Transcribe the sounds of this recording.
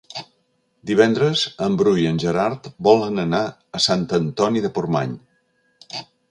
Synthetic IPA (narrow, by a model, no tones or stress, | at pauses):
d̪iβ̞ɛnd̪ɾəzəmbɾujənʲʒəɾaɾt̪bɔlˠənəna | əsant̪ənt̪ɔniðəpurma̰ɲ